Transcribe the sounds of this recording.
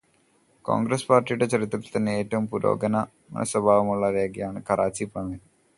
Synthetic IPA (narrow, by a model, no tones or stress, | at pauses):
ko̰ːŋɡɾɐspaːrʈːijuɽe̞t͡ɕɐrit̪ːrɐlt̪ɐnːeeːtːɐʋumpuɾo̰ːɡɐnɐ | mɐ̰nɐ̰sʋɐbʱaːʋɐmuɭːɐɾeːɡjɐjaːɳɨkɐraːt͡ɕipɐmɐn